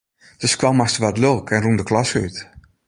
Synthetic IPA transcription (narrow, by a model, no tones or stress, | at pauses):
d̥əskwɔmastəʋɔtlølˠkʰɛnrumndəklɔsəy̰t